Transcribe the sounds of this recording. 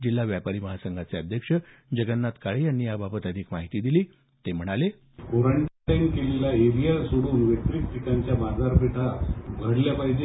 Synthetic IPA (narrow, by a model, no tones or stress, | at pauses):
d͡ʑilːaʋjapaɾiːməɦasəŋɡʱat͡seəd̪ʱjəkʂəd͡ʑəɡənːat̪kaɭejanːiːjababət̪əd̪ʱiːkmaɦit̪iːd̪iliː | t̪em̤əɽ̃ale | koɾəɳʈʈẽŋɡkelelaeɾijaɾsoɽuːnʋet̪ɾik̪̚ʈ̪ikaɲt͡ɕjamad͡zaɾpʰeʈʰaɡʱəɽljapaɦid͡ʑe